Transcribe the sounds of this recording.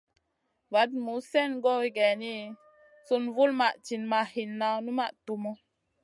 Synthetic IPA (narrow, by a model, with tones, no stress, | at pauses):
va˨˦d̚mu˨˦sɛ˦˨nɡɔ˦wi˦ɡɛ˨ni˦ | su˦nvu˦lma˨ʔt͡ʃi˨nma˨hi˨nːa˨wnu˦ma˦˨ʔtu˨mɔ˦